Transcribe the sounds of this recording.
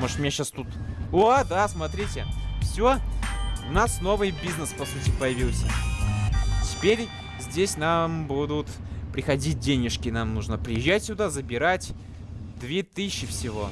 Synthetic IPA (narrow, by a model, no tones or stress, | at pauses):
mo̞ʐɨ̥t̪mʲnʲeɕast̪ut̪oad̪asmɐt̪ɾʲitʲɪfsʲo | ʊnasno̞vɨjbʲiznəspɐsutʲɪpəjɪvʲilˠsʲə̰ | tʲɪ̥pʲeɾʲ | zʲdʲesʲnambud̪ʊt̪ | pɾʲɪxɐdʲit̚ʲdʲenʲɪʂkʲɪnamnuʐnəpɾʲɪjɪʑːætʲsʲʊd̪azəbʲɪɾatʲ | d̪vʲet̪ɨɕːɪfsʲɪvo̞̰